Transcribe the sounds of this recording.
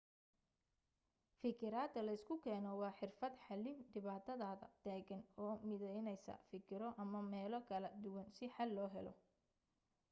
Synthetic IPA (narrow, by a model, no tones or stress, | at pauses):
fɪkʰɪɾaːd̪ɐlɐɪskʰʊkʰɛːnɔwɑːħɪrfɐd̪ħɑlɪmɖɪβaːt̪ʰɐðaːðɐ̰d̪̥æːɣɐnɔːmɪðɛjnɛjsɐ̰fɪkʰɪɾɔʔɐmɐmɛːlɔkʰɐlɐd̪ʊwɐnsɪħɑlːɔːɦɛlɔ̰